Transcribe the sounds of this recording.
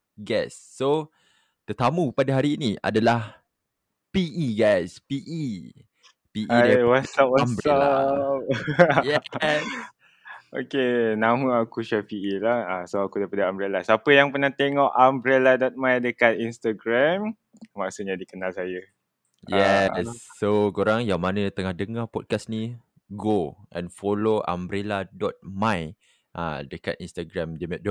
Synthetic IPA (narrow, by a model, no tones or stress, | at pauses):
ɡɛsːo | t̪ət̪amũpadaɦaɾiːnia̰dalah | piʔiɡajspiʔi | piʔidawasap̚waambɾap̚jɛa | ʔokenamuakuʃapiilahasoakudajpadaambɾelasapəjaŋpənaht̪eŋɔʔambɾeladɔt̪̚majdəkat̪̚inst̪aɡɾɛm | maʔsuʔɲadikənãlsajə | jɛsːokoɾaŋjaŋmanət̪əŋahdəŋapɔt̚kasni | ɡoʔɛ̰̃nfoloa̰mbɾeladɔt̪̚mãj | ʔa̰dəkat̪inst̪aɡɾãmdimɛʔ̚do